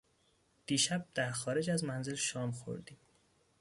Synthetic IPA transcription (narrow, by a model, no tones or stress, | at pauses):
d̪̥iːʃæb̚d̪̥æɾxɒːɾe̞d͡ʒæzmænzelʃɒːmxo̞̰ɾd̪iːm